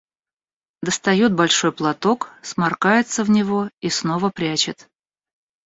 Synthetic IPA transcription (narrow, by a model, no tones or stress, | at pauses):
d̪əst̪ɐjot̪̚bɐlʲʂo̞jplˠɐt̪o̞ksmarkajɪt̪səvnʲɪvoisno̞vəpɾʲæt͡ɕɪt̪